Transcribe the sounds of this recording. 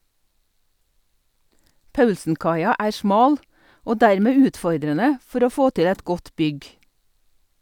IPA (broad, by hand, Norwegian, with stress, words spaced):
ˈpɑʉlsn̩ˌkɑɪɑ ˈæːɾ ˈsmɑːl ˈoː ˈdæɾˌmeː ˈʉːtˌfɔɾdɾənə ˈfɔɾ ˈoː ˈfoː ˈtɪ ˈɛt ˈɡɔt ˈbʏɡ